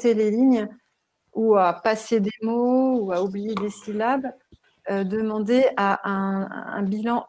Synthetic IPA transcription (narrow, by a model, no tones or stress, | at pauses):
t̪eleliɲ | uapased̪emouaublijed̪esilab | ød̪əmɑ̃d̪eʔaʔɛ̃ɛ̰̃bilɑ̃